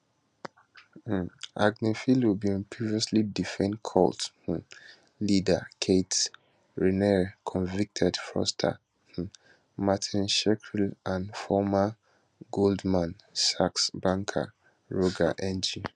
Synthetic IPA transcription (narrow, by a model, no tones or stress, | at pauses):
ʔaɡnifilwibĩnpʰiviɔslidifɛ̃nkʰɔ̰lth̩ | lidakʰet | ɹinɛkʰɔ̃nvik̚tʰɛdfɔ̰stʰa̰ | h̩ | matʰĩnʃɛkʰɹilʔãnfɔma | ɡoldmãn | saksbãŋkʰa̰ | ɹoɡa̰ʔɛ̃nd͡ʒi